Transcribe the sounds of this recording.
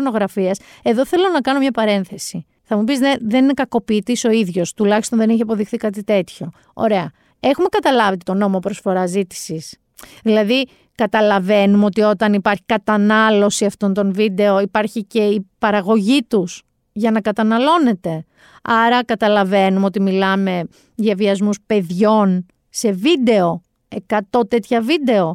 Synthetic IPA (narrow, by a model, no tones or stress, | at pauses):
no̞ɣɾɐfiɐse̞ðo̞θe̞lo̞nɐkɐno̞mɲɐpɐɾe̞nθe̞si | θɐmupizðeðe̞ninekɐko̞piːt̪iso̞iðʝo̞st̪ulɐçist̪o̞nðe̞niçiɐpo̞ðixθikɐt̪it̪e̞t̪ço̞ | o̰ɾe̞ɐ | e̞xume̞kɐt̪ɐlɐvet̪et̪o̞no̞mo̞pɾosfo̞ɾɐzit̪i̥sis | ðilɐði | kɐt̪ɐlɐve̞numo̞t̪io̞t̪ɐnipɐɾçi̥kɐt̪ɐnɐlo̞siɐft̪o̞nt̪o̞nvid̪e̞o̞ipɐɾçice̞ipɐɾɐɣo̞ʝit̪us | ʝɐnɐkɐt̪ɐnɐlo̞ne̞t̪e̞ | ɐɾɐkɐt̪ɐlɐve̞numeo̞t̪imilɐme̞ | ðjɐviɐzmuspe̞ðʝo̞n | se̞vid̪e̞o̞ | e̞kɐt̪o̞t̪e̞t̪çɐvid̪e̞o̞